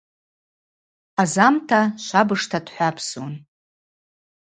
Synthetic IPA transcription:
azamtʰaʃʷabɨʂtʰadħʷapʰson

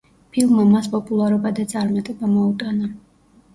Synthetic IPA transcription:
pʰilˠmːamaspʼɔpʼulˠaɾɔbad̪at̪sʼaɾmat̪ʼɛbamɔut̪ʼana

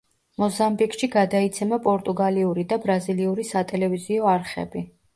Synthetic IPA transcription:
mɔzambikʼʃiɡad̪ait̪sʰɛmapʼɔɾt̪ʼuɡaliuɾid̪abɾaziliuɾisat̪ʼɛlɛviziɔaɾχɛ̰bi

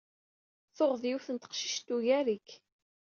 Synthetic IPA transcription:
θoʁðjiwθənt̪ə̥qʃi̥ʃt̪ːuʝæɾik

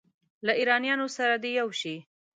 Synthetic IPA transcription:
laiɾɑnjɑnosaɾad̪ejawʃi

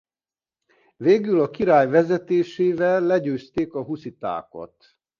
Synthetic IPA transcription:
veːɡylɒkiɾaːjvɛzɛt̪eːʃeːvɛlːɛɟøːst̪eːkɒɦusit̪a̰ːko̰t̪

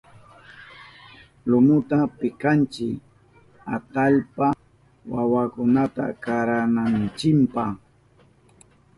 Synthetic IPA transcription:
lʊmʊt̪apɪkant͡ʃɪk | at̪aʎpa | wawakʊnat̪a̰kaɾanant͡ʃɪmpaχ

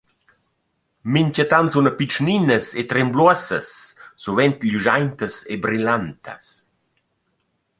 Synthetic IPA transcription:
miɲt͡ʃat̪ansunəpit͡ʃninəset̪ɾɛmbluəsə̰sːuvɛnt̪ʎuʒajnt̪əsebɾilant̪ʰə̰s

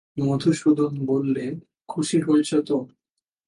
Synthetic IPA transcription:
mod̪ʱuʃud̪ʱonbolːe | kʰuʃiɦolt͡ɕʰet̪o

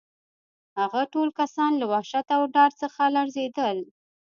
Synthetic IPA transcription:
haɣaʈolkasɑnlawaʃat̪awɖɑɾt͡səxalaɾzed̪əl

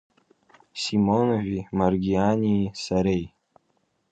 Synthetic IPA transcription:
simonovᶣimarɡʲianʲisaɾej

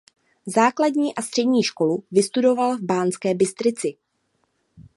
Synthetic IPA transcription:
zaːkladɲiːʔast̪r̝̥ɛdɲiːʃko̞luvɪst̪udo̞valvbaːnt͡skɛːbɪst̪ɾɪt͡sɪ

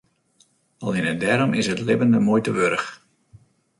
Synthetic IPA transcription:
ɑlˠɪnədɛɾɔmɪsətlɪvəndəmojtəʋøɾəx

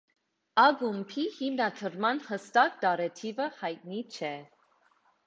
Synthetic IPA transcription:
ɑɡumpʰihimnɑt̪ʰəɾmɑnhəst̪ɑk̚d̪ɑɾɛt̪ʰivəhɑjt̪̚nit͡ʃʰɛ

